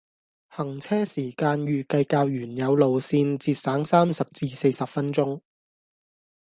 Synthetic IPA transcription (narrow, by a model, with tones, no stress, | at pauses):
hɐ˨˩ŋt͡sʰɛː˥siː˨˩kaː˧njyː˨˩kɐ˧jkaː˧wjyː˨˩njɐ˨˧wlo˨wsiː˧nt͡siː˧t̚saː˨˥ŋsaː˥msɐ˨p̚t͡siː˧se˧jsɐ˨p̚fɐ˥nt͡ʃt͡sʊ˥ŋ